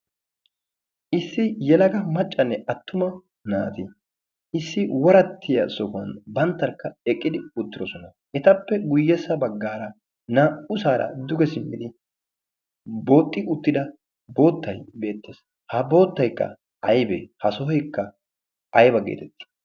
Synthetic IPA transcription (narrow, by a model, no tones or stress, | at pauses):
ʔɪsːɪjɛlɐɡɐmɐt͡ʃʼːɐnːɛɐt̪ːʊmɐ | na̰ːt̪ɪ | ɪsːɪwɔɾɐt̪ːɪjɐsɔkɐ̰nbɐnt̪ːɐɾkːɐɛkʼːɪd̪ɪʊt̪ːɪd̪ɔsɔnɐ | ʔɛt̪ɐpːɛɡʊjːɛsɐbɐɡːaːɾɐ | naːʔʊsaːɾɐ̰d̪ʊɡɛsɪmːɪd̪ɪ | bo̞ːt̪ʼːɪʊt̪ːɪd̪ɐ | bo̞ːt̪ːɐjbe̞ːt̪ːeːs | hɐbo̞ːt̪ːɐjkːɐ̰ | ɐjbḛhɐsɔɦɔjkːɐ | ɐjbɐɡḛːt̪ɛt̪ːɪ̥